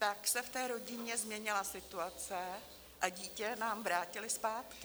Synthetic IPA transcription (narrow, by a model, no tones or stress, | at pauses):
t̪aksɛft̪ɛːɾo̞ɟɪɲɛzmɲɛɲɪlasɪt̪uat͡sɛ | ʔaɟiːcɛnaːmvɾaːcɪlɪspaːt̪kɪ